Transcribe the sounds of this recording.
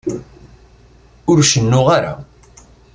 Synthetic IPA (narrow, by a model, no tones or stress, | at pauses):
ʊɾʃənːʊʁaɾa̰